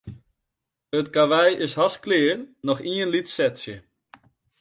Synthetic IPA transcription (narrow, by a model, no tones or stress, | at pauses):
ətkaʋɛjʔɪshasklɪərnɔxiənlitsɛtsjə